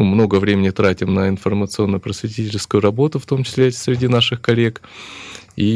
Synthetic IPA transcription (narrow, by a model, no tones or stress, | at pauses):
ɨmno̞ɡəvɾʲemʲɪnʲɪt̪ɾatʲɪmnəɪnfərmət̪sɨo̞nːəjʊpɾəsvʲɪtʲitʲɪlʲskʊjʊɾɐbo̞t̪ʊft̪o̞mt͡ɕɪ̥sʲlʲesʲɾʲɪdʲinaʂɨxkɐlʲe̞k | i